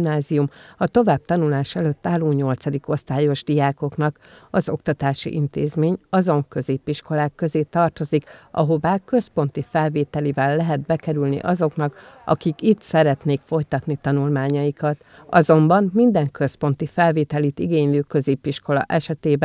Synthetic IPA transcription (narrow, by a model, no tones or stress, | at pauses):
naːzijumɒt̪o̞vaːb̚t̪ɒnulaːʃɛløt̪ːaːlːoːɲɲo̞lt̪sɒd̪iko̞st̪aːjo̞ʒd̪ijaːko̞knɒkɒzo̞̰kt̪ɒt̪aːʃḭʔint̪eːzmeːɲɒzo̞ŋkø̞zeːpiʃko̞laːkːø̞zeːt̪ɒrt̪o̞zikʔɒ̰ɦo̞vaːkø̞spo̞nt̪ifɛlveːt̪ɛlivɛlːɛɦɛd̪̚bɛkɛɾylnḭʔɒzo̞knɒkɒ̰kikit̪sɛɾɛt̪neːkfo̞jt̪ɒt̪nit̪ɒnulmaːɲɒjikɒt̪ | ɒ̰zo̞mbɒnmind̪ɛŋkø̞spo̞nt̪ifɛlveːt̪ɛlit̪iɡeːɲløːkø̞zeːpiʃko̞lɒ̰ʔɛʃɛt̪eːbɛ